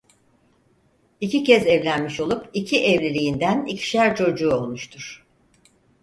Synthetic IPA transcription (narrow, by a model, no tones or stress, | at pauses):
icicɛzɛvlʲænmiʃo̞lˠupicʰiʔɛvlʲelʲijind̪ænicʰi̥ʃæɾt͡ʃʰo̞d͡ʒuːo̞lˠmuʃt̪ʰuɾ̥